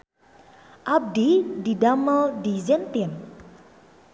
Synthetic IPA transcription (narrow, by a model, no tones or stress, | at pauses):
ʔab̚dididaməldizɛnt̪iən